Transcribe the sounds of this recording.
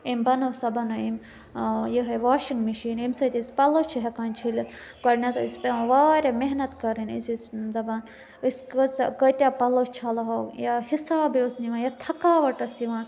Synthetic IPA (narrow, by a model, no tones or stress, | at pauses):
imbɐnɐsɐbɐnɐim | jiɦɐʋaːʃiŋɡmiʃiːnimsɐt̪iːspɐlot͡ʃʰiɦɐkaːnʲt͡ʃʰilɐ | kɐɾnɐt̪ɐispẽʋaːɾʲɐmeɦnɐt̪kɐɾinḭsiszɐbɐːn | iskɐt͡skɐt̪ʲjaːpɐlot͡ʃʰɐlɐɦɐjahisaːbiosniʋãːnjɐt̪ʰɐkaːʋɐʈɐsiʋãːn